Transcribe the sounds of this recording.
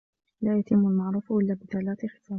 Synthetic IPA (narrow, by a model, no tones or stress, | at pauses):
laːjat̪ɪmːʊlmaʕɾuːfʔɪlːaːbɪθalaːt̪ɪxɪ̥t̪aː